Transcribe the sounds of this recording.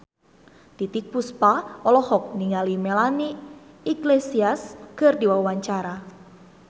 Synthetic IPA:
t̪it̪ik̚puspaɔlɔhɔk̚niŋalimelaniː | ɡlesiaskərdiwawaɲt͡ʃaɾa

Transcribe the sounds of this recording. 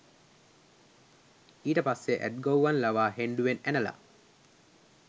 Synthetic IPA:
iːʈəpasːeʔæ̰ʈ̚ɡowʋanlaʋaːɦeɳɖuʋenænəla̰

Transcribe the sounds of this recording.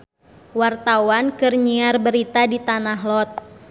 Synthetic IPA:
wart̪awankɨrɲiarbəɾit̪adit̪anaɦlɔt̪̚

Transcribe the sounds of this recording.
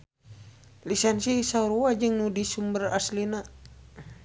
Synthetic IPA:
lisɛnsisauɾuad͡ʒɨŋnudisumbəraslina

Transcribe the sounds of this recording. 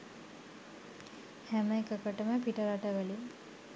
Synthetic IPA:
hæməekəkəʈəməpiʈəɾaʈəʋæli

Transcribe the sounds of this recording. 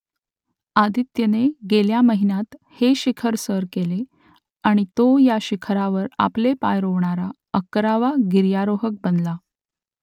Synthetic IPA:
ad̪it̪jəneɡeljaməɦinat̪heɕikʰəɾsəɾkele | aɽ̃it̪ojaɕikʰɾaʋəɾa̰plepajɾoʋɳaɾa | əkɾaʋaɡiɾjaɾoɦək̚bənla

